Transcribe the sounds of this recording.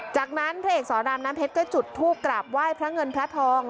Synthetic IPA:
t͡ɕaː˨˩k̚na˦˥npʰɾa˦˥ʔeː˨˩sɔː˩˦daː˧mnaː˦˥mpʰe˦˥t̪̚kɔː˥˩t͡ɕu˨˩t̪ʰːuː˥˩p̚kɾaː˨˩p̚waː˥˩jpʰɾa˦˥ŋɤ˧npʰɾa˦˥t̪ʰɔː˧˥ŋ

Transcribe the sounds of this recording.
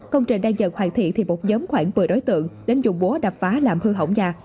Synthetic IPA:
kə˧wŋ͡mt͡ɕï˨˩ŋɗaː˧ŋzə̰˧˨˩nhwaː˧˩nt̪ʰḭ˧˨t̪ʰi˨˩mo˨˩t̚zəː˨˦mxwaː˧˩ŋvɨ˨˩əɗo˨˦jt̪ɨ̰˧˨əŋɗe˨˦nzʊ̰˨˧˩ŋ͡mɓo˨˦əɗa˨˩p̚faː˨˦laː˨˩mhɨ˧ɦə̰˧˩wŋ͡mzaː˧

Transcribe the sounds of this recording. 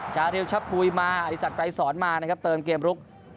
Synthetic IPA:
t͡ɕʰaː˨˩˦ɾi˧wt͡ɕʰa˦˥p̚pːuː˧jmaː˧ʔa˨˩ɾi˧˥sa˨˩kɾa˧jsɔː˩˦nmaː˧na˦˧kʰa˦˥p̚t̪ɤː˧mkeː˧mɾu˦˥k̚

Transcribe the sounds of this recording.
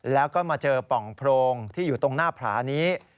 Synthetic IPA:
lɛː˦˥wkɔː˥˩maː˧t͡ɕɤː˧pɔ˨˩ŋpʰɾoː˧ŋt̪ʰiː˥˩juː˨˩t̪o˧ŋnaː˥˩pʰɾa̰ː˩˦niː˦˥

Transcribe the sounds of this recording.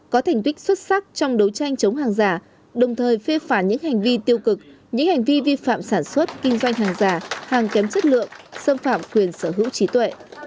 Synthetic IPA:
kɔ˨˦t̪ʰa˨˩jŋ̟t̪wï˦˥k̚swə˦˥t̚sa˦˥k̚t͡ɕɔ˧wŋ͡mɗə˨˦wt͡ɕa˧jŋ̟t͡ɕə˨˦wŋ͡mɦaː˨˩ŋzaː˨˩ | ɗə˨˩wŋ͡mt̪ʰəː˨˩jfe˧faː˧˩ɲɨ̰˧˥ŋha˨˩jŋ̟vi˧t̪i˧əwkɨ˨˩k̚ | ɲɨ̰˧˥ŋha˨˩ŋ̟vi˧vi˧fa̰ː˧˨msaː˧˩nswə˦˥t̚kï˧ŋ̟zwa˧jŋ̟ɦaː˨˩ŋzaː˨˩haː˨˩ŋkɛ˨˦mt͡ɕə˦˥t̚lɨ̰˧˨əŋsə˧mfaː˧˨mkwi˨˩ənsəː˧˩ɦɨ̰˧˥wt͡ɕi˨˦t̪wḛ˧˨

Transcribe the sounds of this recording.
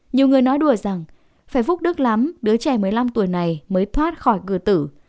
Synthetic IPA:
ɲi˨˩əwŋɨ˨˩əjnɔ˨˦jɗu˧˩əza˨˩ŋ | faː˧˩jvu˦˥k͡p̚ɗɨ˦˥k̚la˨˦mɗɨ˨˦ət͡ɕɛ˧˩mɨ˨˩əjla˧mt̪u˧˩əjna˨˩jməː˨˦jt̪ʰwaː˦˥t̚xɔ˧˩jɣɨ̰˧˩ət̪ɨ̰˧˩

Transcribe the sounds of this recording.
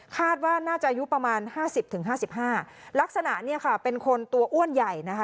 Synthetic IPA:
kʰaː˥˩t̪̚waː˥˩naː˥˩t͡ɕa˨˩ʔa˧ju˦˥pɾa˧maː˧nhaː˥˩si˨˩p̚t̪ʰɯ˩˦ŋɦaː˥˩si˨˩p̚ɦaː˥˩ | la˦˥k̚sa˧na˨˩ʔni˥˩ɐkʰa˥˩pe˧nkʰo˧nt̪u˧ɐʔu˥˩ənja˨˩jna˦˥kʰa˦˥

